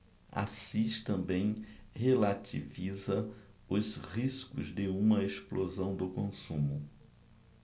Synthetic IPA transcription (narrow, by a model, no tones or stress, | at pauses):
a̰siʃt̪ɐ̃mbẽj̃helat̪ivizɐʊshiskʊ̰zd̪ɪũmɐesplozɐ̃w̃d̪ʊkõsũmʊ